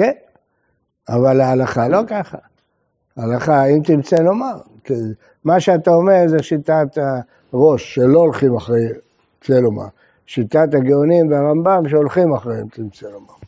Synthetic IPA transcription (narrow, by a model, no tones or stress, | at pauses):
ken | avalaːlaχalo̞kaχa | alaχaimt̪imt͡selomam | ki | maʃeat̪aome̞ʁzeʃitat̪a | ʁo̞ʃːelo̞olχimaχʁej | t͡seloma̰ | ʃit̪at̪aɡeonimveaʁambamʃeolχimaχʁeimt̪imt͡selomam